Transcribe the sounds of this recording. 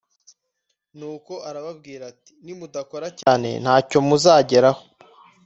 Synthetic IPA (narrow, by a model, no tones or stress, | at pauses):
nuːko̞ʔaɾaβab̚ɡiːɾati̥nimudako̞ɾacaːne̞̰n̥haːco̞muzaːɟe̞ɾaho